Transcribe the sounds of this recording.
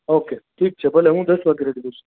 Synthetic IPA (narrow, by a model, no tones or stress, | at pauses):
okeʈʰiːk̚t͡ʃʰebəleɦũd̪əsʋaɡeɾeɖid̪ũsu̥